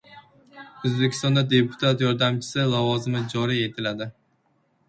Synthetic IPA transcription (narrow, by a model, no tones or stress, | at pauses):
ozbekʲʰɪst̪ɒnd̪ad̪e̞pʰʊ̥t̪ʰat̪jɒɾd̪amt͡ʃʰɪ̥sɪlavɒzɪmɪd͡ʒɒɾie̞t̪ʰɪlad̪ɪ